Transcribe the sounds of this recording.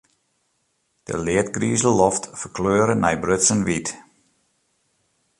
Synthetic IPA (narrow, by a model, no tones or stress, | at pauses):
d̥ə̰lɪətɡriːzəlɔftfərkløːɾənɛjbrøtsənʋit